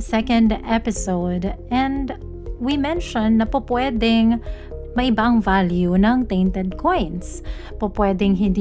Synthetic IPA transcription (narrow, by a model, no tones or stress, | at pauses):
sɛkɐ̃nd̪ɛpɪsoʊd̪ɛ̃nd̪ | wimɛ̃nʃɔ̃nːɐpopwɛd̪ɪŋ | mɐʔɪbaʔɐŋvaljunɐŋt̪ejnt̪ɛd̪̚kʰɔ̃jns | popwɛd̪ɪŋɦɪ̃nd̪